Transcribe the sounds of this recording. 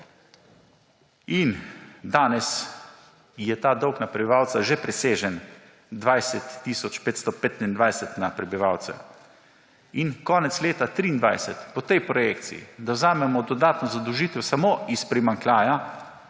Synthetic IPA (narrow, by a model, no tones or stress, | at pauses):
ind̪aːnɛs | jɛt̪aːd̪ɔwknapɾɛbiʋaːwt̪saʒɛpɾɛseːʒɛn | d̪ʋajsɛt̪ːiːsɔt͡ʃpeːt̪st̪ɔpeːt̪inind̪ʋajsɛt̪napɾɛbiʋaːwt̪sɛ̰ | inkɔːnɛt̪sleːt̪at̪ɾiːnd̪ʋa̰jsɛt̪pɔt̪ɛjpɾɔjekt̪sḭḭd̪awzaːmɛmɔd̪ɔd̪aːt̪nɔzad̪əwʒiːt̪ɛsamoːispɾimaŋklʲaːja